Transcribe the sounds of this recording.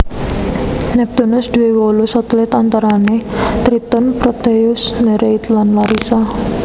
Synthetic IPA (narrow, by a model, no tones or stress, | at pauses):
nɛp̚t̪unʊsd̪̥uwewɔlusɔt̪lɪt̪ant̪aɾanet̪ɾit̪ɔnpɾɔt̪eʊsnɛɾeit̪lanlaɾisa